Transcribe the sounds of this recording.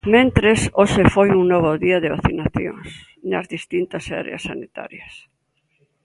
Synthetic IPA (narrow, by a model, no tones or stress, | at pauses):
mẽnt̪ɾesosefojuŋnoβ̞ʊðiɐðɪβaθinaθjo̰ŋs | nɐ̰zðist̪int̪ɐsa̰ɾḛasːanit̪a̰ɾjɐs